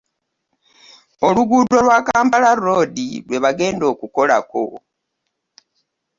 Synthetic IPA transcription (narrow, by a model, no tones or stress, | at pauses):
o̞luɡudo̞lwaːkaːmpalaro̞dilwe̞βaɡe̞ːndo̞ːkuko̞la̰ko̞̰